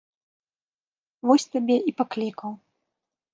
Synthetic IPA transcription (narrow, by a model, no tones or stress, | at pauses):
vɔsʲt̪abʲɛʔipaklʲikɐw